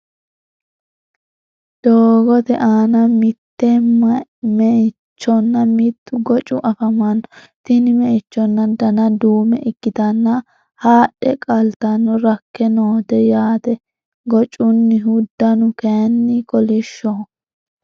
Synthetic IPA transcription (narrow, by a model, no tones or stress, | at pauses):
d̪̥oːɡɔt̪ɛʔaːnɐmɪt̪ːɛmɐmɛɪ | t͡ʃːɔnːɐmɪt̪ːʊɡɔt͡ʃʼʊʔɐfɐmɐnːɔ | t̪ɪnɪmɛʔɪt͡ʃːɔnːɐd̪ɐnɐd̪uːmɛ̰ʔɪkːɪt̪ɐnːɐ | haːɗɛkʼɐlt̪ɐnːɔɾɐkːɛnoːt̪ɛjaːt̪ɛ | ɡɔt͡ʃʼʊnːɪɦʊd̪ːɐnʊkɛnːɪkɔlɪʃːɔ